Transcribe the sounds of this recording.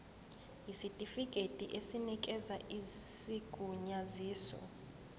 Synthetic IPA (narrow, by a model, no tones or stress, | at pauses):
jisitʼifikʼetʼiʔesinikʼɛzaʔisiɡ̥ʼʱuɲaziːsɔ̰